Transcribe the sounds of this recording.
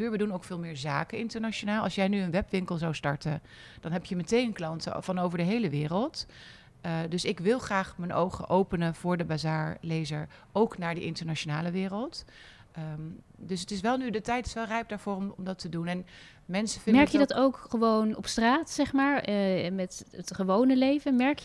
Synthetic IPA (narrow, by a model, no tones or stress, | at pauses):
yːɹʋədunowkfɪːlˠmɪːɹzaːkənɪntəɹnaʃonaːlˠɑ̰lˠsjɛjnyənʋɛpʋɪŋkəlˠzawstɑɹtən | d̥ɑnɦɛpjəmətejnənklɑntə̰vɑnowvəɹdəɦejləʋɪːrəlˠt | dɵsɪkʋɪlˠχraːχmənʔo̰wχə̰ʔowpənəv̥ʊːɹdəbazaːɹlejzəɹ | ʔowknaːɹdə̰ʔɪntəɹnat͡ʃonaːləʋɪːrəlˠt | dɵsətɪsʋɛlˠnydətɛjtɪ̥sʋɛlˠrɛjp̚daːɹvʊːrɔmɔmdɑtədunɛn | mɛnsəvɪnmɛɛɹkjədɑtowkχəʋownɔ̰pstraːtsɛχmaːɹmɛtətχəʋownəlejvənmɛɹk